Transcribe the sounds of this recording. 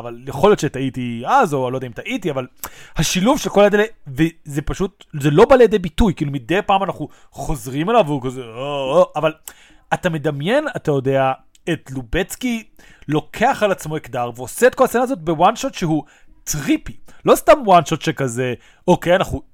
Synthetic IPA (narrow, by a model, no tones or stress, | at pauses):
avaljeχo̞ljo̞t̪ʃetaitiazoalo̞jd̪aimt̪aʔitiavalhaʃiluvʃelkolaed̪elevezepaʃut̚zelo̞baljed̪ejbitujkiːlumid̪ejpaːmanaχu | χo̞zʁimelaveukazeooʔaval | atame̞d̪amje̞natajo̞de̞a | etlubet͡skilo̞kʰe̞aχalat͡smo̞ekdaʁveoseet̚ko̞lat͡senazo̞t̪̚be̞wanʃot̪ʃeɦu | t̪ʁipilo̞stamwanʃot̪ʃekaze | o̞kejanaχu